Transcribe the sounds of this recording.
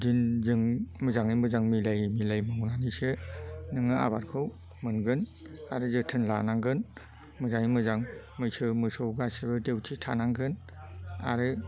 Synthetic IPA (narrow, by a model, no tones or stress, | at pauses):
dinzɯŋmɯzaŋɯjmɯzaŋmilajmilajmɯwnanisɯnɯŋɯa̰baɾkʰɯw | mɯnɡɯn | aɾɯzɯtʰɯnlanaŋɡɯn | mɯzaŋimɯzaŋ | mɯjsɯmɯsowɡasebɯdewtʰitʰanaŋɡɯn | a̰ɾɯ